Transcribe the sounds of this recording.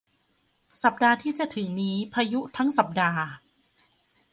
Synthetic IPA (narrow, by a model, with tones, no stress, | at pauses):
sa˨˩p̚daː˧t̪ʰiː˥˩t͡ɕa˨˩ʔt̪ʰɯ˩˦ŋniː˦˥pʰaː˧ju˦˥t̪ʰa˦˥ŋsa˨˩p̚daː˧